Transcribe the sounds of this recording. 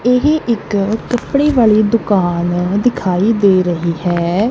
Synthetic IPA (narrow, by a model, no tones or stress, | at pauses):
ɪɦeʔɪkkːəpɽeːʋaːɭiːd̪ʊkaːnd̪ɪkʰaːiːd̪eːɾəɦiːhɛː